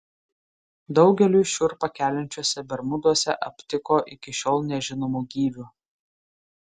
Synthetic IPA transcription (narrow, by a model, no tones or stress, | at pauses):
d̪ɒʊɡʲɛlʲuːʃʲʊɾpɐkʲæːlʲɪnʲt͡ʃʲuɔsʲɛbʲɛɾmʊd̪uɔsʲɛʔɐpʲt̪ʲɪkoːʔɪkʲɪʃʲoːlˠnʲɛʒʲɪnomuɡʲiːʋʲʊ